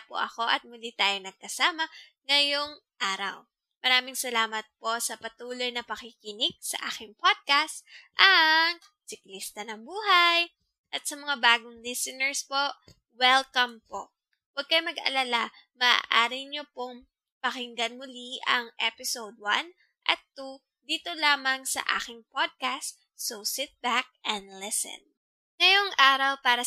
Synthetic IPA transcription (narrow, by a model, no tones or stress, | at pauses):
po̰ʔɐko̞ʔɐt̪̚mʊlit̪aːjonɐɡ̚kɐsaːmɐ | ŋɐjoŋʔaːɾɐ̰w | mɐɾaːmɪŋsɐlaːmɐt̪̚po̞sɐpɐt̪uːlo̞jnɐpɐkɪkɪnɪɡ̚sɐ̰ʔa̰ːkɪŋpod̪̚kast̪ʔɐŋ | sɪklist̪ɐnɐŋbuːɦaj | ʔɐt̪̚sɐmɐŋabaːɡʊŋlisɛnɛɹspoʔ | wɛlkɐmpo̰ | wɐɡ̚kɐjmɐɡɐ̰lala | mɐʔa̰ʔaːɾɪɲopoŋ | pɐkɪŋɡɐnmʊliʔɐ̰ŋʔɛpɪsowd̪̚wan | ʔɐ̰t̪ːu | d̪iːt̪olaːmɐŋsɐ̰ʔa̰ːkɪŋpod̪̚kast̪ | sowsɪt̪̚bak̚ʔɛnd̪lɛsɛ̰n | ŋɐjoŋʔaːɾɐwpaːɾɐ